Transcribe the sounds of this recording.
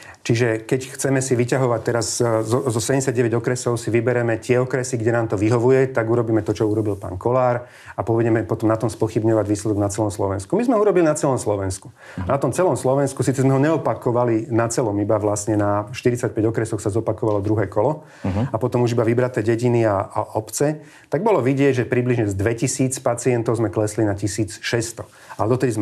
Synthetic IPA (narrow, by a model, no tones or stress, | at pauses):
t͡ʃiʒɛkɛcxt͡sɛmɛsiʋicaɦɔʋac̚t̪ɛɾazzɔzɔsɛɲɛsaɟɟɛʋɛɟɔkɾɛsɔʊsiʋibɛɾɛmɛt̪ɪɛɔkɾɛsiɡɟɛnaːmt̪ɔʋiɦɔʋujɛt̪aɡuɾɔbiːmɛt̪ɔt͡ʃɔuɾɔbilpa̰ːŋkɔlaːɾ | apɔʋɛɟɛmɛpɔt̪ɔmnat̪ɔmspɔxibɲɔʋaɟʋiːslɛd̪ɔɡnat͡sɛlɔmslɔʋɛnskumizmɛɦɔuɾɔbilinat͡sɛlɔmslɔʋɛnsku̥ | anat̪ɔmt͡sɛlɔmslɔʋɛnskusiːt͡sɛzmɛɦɔɲɛɔpakɔʋalinat͡sɛlɔmibaʋlasɲɛnaʃt̪iɾit͡sac̚pɛɟɔkɾɛsɔxsazɔpakɔʋalɔd̪ɾuɦɛːkɔlɔ | apɔt̪ɔmuʒibaʋibɾat̪ɛːɟɛɟiniaaɔpt͡sɛ | t̪aɡ̚bɔlɔʋiɟɪɛɟʒɛpɾibliʒɲɛzd̪ʋɛcisiːt͡spat͡siɛnt̪ɔʊzmɛklɛslinacisiːt͡sʃɛst̪ɔ | alɛd̪ɔt̪ɛd̪izmɛ